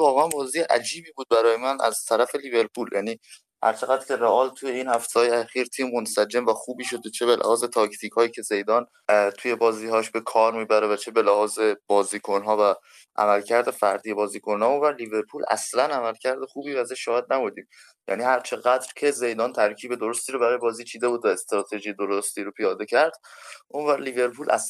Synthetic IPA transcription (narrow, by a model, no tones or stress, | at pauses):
vɒːɣeænvɒːzijeʔæ̰d͡ʒiːbiːbuːd̪̚bæɾɒːjemænæ̰z̥t̪ʰæɾæfe̞libe̞ɾpʰuːljʔæ̰ːniː | hæ̰ɾt͡ʃʰe̞ɣæd̪ɾcʰʲe̞ɾeʔɒːlt̪ʰuje̞iːnhæft̪hɒːjeæxiːɾt̪ʰiːmːonsæd͡ʒe̞mvæxuːbiːʃo̞d̪et͡ʃʰe̞belʔæ̰hɒːze̞t̪ʰɒːct̪ʰiːkʰhɒːjiːcʰe̞ze̞jd̪ɒːn | t̪ʰuje̞bɒːziːhɒːʃbe̞kʰɒːɾmiːbæɾevæt͡ʃʰe̞be̞læhɒːze̞b̥ɒːziːkʰonɦɒːvæ | ʔæ̰mælcʰæɾd̪e̞fæɾd̪ijebɒːziːkʰonhɒːonvæɾlive̞ɾpʰuːlæ̰slænæmælcʰæɾd̪e̞xuːbiːvæzeʃːɒːhed̪̚næbuːd̪iːm | jæ̰niːhæɾt͡ʃʰe̞ɣæd̪ɾcʰe̞ze̞jd̪ɒːnt̪ʰæɾcʰiːbe̞d̪o̞ɾost̪iːɾobæɾɒːjebɒːziːt͡ʃʰiːd̪e̞buːd̪væest̪ɾɒːt̪ʰe̞ʒijed̪oɾost̪iːɾopʰijɒːd̪e̞cʰæɾd̪̥ʔonvæɾlive̞ɾpʰuːlʔæ̰s